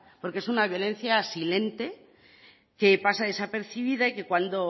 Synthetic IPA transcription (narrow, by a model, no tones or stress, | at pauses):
po̞ɾkeesunaβjo̞le̞n̟θjasile̞nt̪e̞ | ke̞pasaðe̞sape̞ɾθiβ̞iðaike̞kwand̪o̞